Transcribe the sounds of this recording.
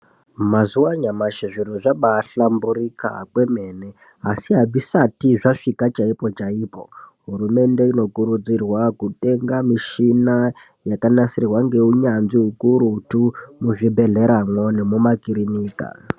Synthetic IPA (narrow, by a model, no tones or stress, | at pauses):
mazuwaɲamaʃeʐiɾoʐaɓaɬambuɾika̰kwe̞me̞ne | asiɦabʱisatiʐaʂikat͡ʃaipo̞t͡ʃaiːpo̞̰ɦuɾume̞nde̞ino̞kuɾud͡zirwakute̞ŋɡamiʃina | jakanasirrwaŋɡe̞uɲanʐiɦukuɾutumuʐibʱe̞ɮe̞ɾamwonemumakiɾiniːka̰